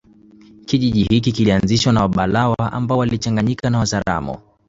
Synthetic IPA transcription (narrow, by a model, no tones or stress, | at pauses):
kiʄiʄihik̬ikilianziʃwanawaɓalawaʔa̰mbawalit͡ʃaŋɡaɲikanawazaɾa̰mɔ̰